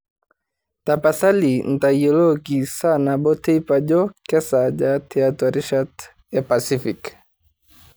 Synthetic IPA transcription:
tapasalin̩tajɔlɔkisanabɔtʰɛipad͡ʒɔkɛsad͡ʒatʰɛatɔɾiʃat | japasifik

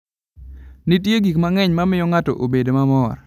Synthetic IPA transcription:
nitjeɡikmaŋɛɲmamɪjɔŋatɔ̰ʔobedomamɔr

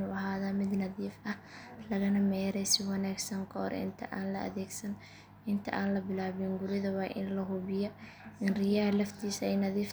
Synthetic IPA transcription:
ʊɐɦaːðɐmɪd̪nɐðiːfɐhlɐɣɐnɐmɛjɾɛjsɪwɑnaːɡsɐŋkʰɐhɔ̰ɾɪ̰nt̪ʰɐ̰ʔaːnlɐɐ̰ðɛːɡsɐn | ɪnt̪ʰɐʔaːnlɐbɪlaːβɪŋɡʊɾɪðɐwɑːʔɪ̰nlɐɦʊβɪjɔ | ɪnrɪjalɐft̪ʰiːsɛjnɐðiːf

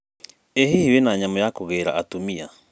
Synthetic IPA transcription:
eɦihiwenaɲamojakoɣeɾa̰ːtumia

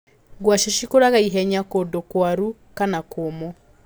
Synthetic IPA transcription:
ɡwaʃeʃikoɾaɣaiɦɛɲakodokwaɾu | kanakomɔ

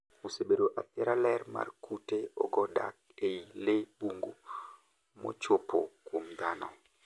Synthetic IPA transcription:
osebedoʔapɪɛɾalɛrma̰rkuteɔ̰ɡɔda̰k̚ | eilebuŋɡu | mɔ̰t͡ʃopʰo̰kwomd̪anɔ̰

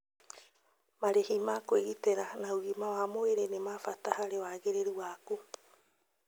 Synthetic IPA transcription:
maɾehimakweɣiteɾanauɣimawamoeɾenemafatahaɾewaɣeɾeɾuwaku

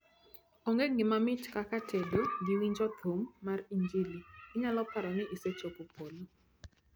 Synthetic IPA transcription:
ɔŋɡeɡɪmamɪtkakatʰedoɡiwiɲd͡ʒɔt̪ʰomːariɲɡiliɪɲalɔpaɾanɪʔiset͡ʃopopʰolo

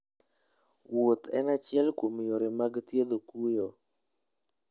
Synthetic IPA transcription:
wot̪ɛ̰nat͡ʃɪɛlkwomjoɾɪmaɡt̪jed̪okujo

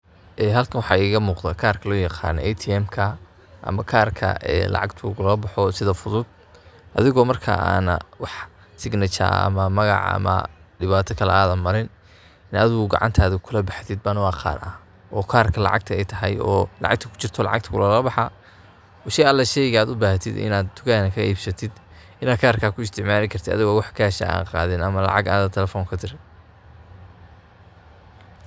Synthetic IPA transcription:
ʔɛːɦɐlkʰɐnwɑħɑːiːɣɐmuːqðakʰaːrkʰɐlɔːjɑqɑ̰ːnɔ̰ʔɛjt̪ʰiɛmkʰɐ | ʔɐ̰mɐkʰaːrkʰɐ̰ʔɛ̰ːlɑ̰ʕɑ̰ɡt̪ʰʊɣʊlɐlɐbɑħɔsɪðɐfʊðʊd̪̚ | ʔɐ̰ðɪɣɔːmɐrkʰa̰a̰ːnɐwɑħ | sɪɡnɪt͡ʃɐ̰ɐ̰mɐmɐɣɑ̰ʕɐ̰mɐ̰ɖɪβaːt̪ʰɐkʰɐlɛ̰aːðɐnmɐɾɪn | ɪnɐðɪɣʊɡɑ̰ʕɑ̰nt̪ʰaːðɐkʰʊlɐbɑħt̪ɪd̪̚banɐwɑːqʰɑ̰ːrʔɐ | ʔɔːkʰaːrkʰɐlɑ̰ʕɑ̰ɡ̚t̪ʰɐɛjt̪ʰɐɦɐjɔːlɑ̰ʕɑ̰ɡ̚t̪ʰɐkʰʊ̥t͡ʃɪrt̪ʰɔlɑ̰ʕɑ̰ɡ̚t̪ʰkʰʊlɐlɐbɑħa | ɔʃɛjɐlːɛʃɛjɣaːd̪ʊbaːhɐt̪ʰɪ̰d̪ɪ̰naːd̪̚t̪ʰʊɣaːnɐkʰɐʔiːbsɐt̪ʰɪd̪ | ɪnaːd̪̚kʰaːrkʰaːkʰʊɪst̪ʰɪʕmaːlɪkʰɐrt̪ʰɪd̪ɐ̰ðɪɣɔwɑħkʰɐhɛʃɐ̰a̰ːnqɑ̰ːðɪnɐmɐlɑ̰ʕɑɡa̰ːnðɐt̪ʰɛlɛfɔːŋkʰɐt̪ʰɪrɪ

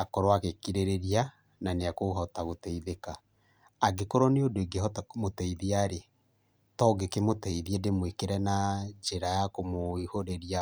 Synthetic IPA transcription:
akɔɾwakekiɾeɾeɾia | naneakoɦɔtaɣotɛiðekaː | ɡekoɾɔneodoiɡehɔtamotɛiðiaɾe | tɔɡekemotɛiðiɛdemwekeɾɛnad͡ʒeɾajakomoihoɾeɾia

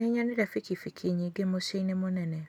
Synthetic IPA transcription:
eɲaneɾafikifikʰiɲiɡemoʃeinemonɛnɛ

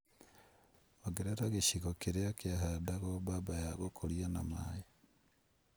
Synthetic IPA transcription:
oɡeɾeɾaɣeʃiɣokeɾeokeaɦadaɣobabajaɣokʰoɾianamaje

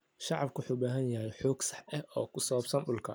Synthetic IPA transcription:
ʃɑʕɑbkʰʊħuːbaːɦɐnjɐɦɛjħuːɡsɑ̥ħʔɛhʔɔːkʰʊsɔwɐbsɐnɗʊlkʰɐ

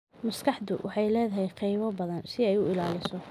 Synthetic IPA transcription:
mɐskʰɑħd̪ʊwʔɑħɑjlɛːðɐɦɛjqɑjβɔbɐðɐnsɪɛjʊɪlaːlɪsɔ

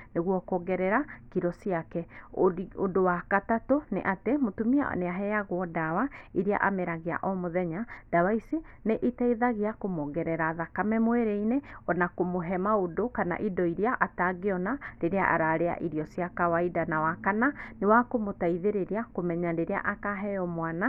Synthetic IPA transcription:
neɣwɔkɔɣɛɾɛɾakiɾɔsiakɛ | odowakatatonḛʔatemotumia̰neaɦɛjaɣwɔdawaiɾea̰ʔameɾaɣea̰ʔɔmoðɛɲad̥awaiseneʔitaiðaɣeakomɔɣɛɾɛɾaðakamɛmweɾeineɔnakomoɦɛmaodokana̰ʔidɔiɾeaʔataɡeɔnaɾeɾea̰ʔa̰ɾaɾea̰ʔiɾiɔsiakawaidanawakananewakomotaiðeɾeɾiakomɛɲadeɾea̰ʔakaɦɛjɔmwana

